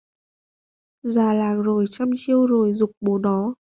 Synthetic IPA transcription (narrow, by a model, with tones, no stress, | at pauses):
zaː˨˩laː˨˩k̚zo˨˩jt͡ɕa˧mt͡ɕi˧əwzo˨˩jzʊ˨˩k͡p̚ɓo˨˩˦ɗɔ˨˦